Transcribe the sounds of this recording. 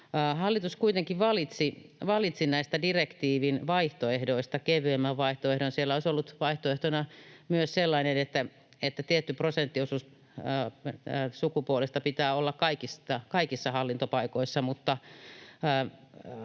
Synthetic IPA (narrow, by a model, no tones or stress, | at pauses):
hɑlːit̪uskuit̪eŋkiʋʋɑlit̪siʋɑlit̪sinæist̪ædirekt̪iːʋinʋɑiht̪oehdoist̪ɑkeʋyemːæʋʋɑiht̪oehɾonsielːæoisolːut̪ʋɑiht̪oeht̪onɑmyøsselːɑinenet̪ːæ | et̪ːæt̪iet̪ːyprosent̪ːiosus | sukupuolest̪ɑpit̪æːolːɑkkɑikist̪ɑkɑikisːɑhɑlːint̪opɑikoisːɑmut̪ːɑː